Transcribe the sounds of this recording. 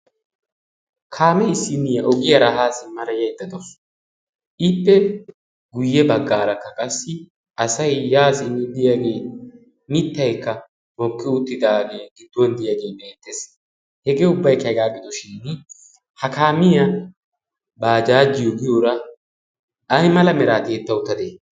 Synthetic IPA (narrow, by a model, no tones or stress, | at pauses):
kʰaːmɛɪsːɪnɪjɐʔɔɡɪjɐɾaɦaːsɪmɐɾɐjɐjd̪ːɐd̪ɔs | ʔɪpːɛ | ɡʊjːɛbɐɡːaːɾɐkːɐkʼɐsːɪ | ɐsɐjːaːsɪnːʊd̪ɪjaɡe̞ː | mɪt̪ːɐjkːɐ | mɔkʼːɪʊt̪ːɪd̪aːɡe̞ːɡɪd̪ːwɔnd̪ɪjaːɡe̞ːbeːt̪ːes | hɛɡeːʊbːɐjkɐjɡaːɡɪd̪ɔʃɪnː | hɐkaːmɪjɐ | baːd͡ʒaːd͡ʒɪjoɡɪjoːɾɐ | ʔɐjmɐlɐmɛɾaːt̪eːt̪ːɐʊt̪ːɐd̪e